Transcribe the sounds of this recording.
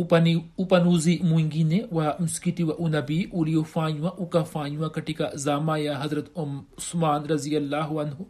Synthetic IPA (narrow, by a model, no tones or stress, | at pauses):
pɐniupɐnuːzimuĩŋɡinẽwamʊskit̪iʋaʔunɐbiʔulijofãːjuwãʔukafãːjuwãkɐʈikazaːmaːjaɦɐzɾɐt̪mʊsmaːnɾɐzijɐlːaːɦuɐnɦu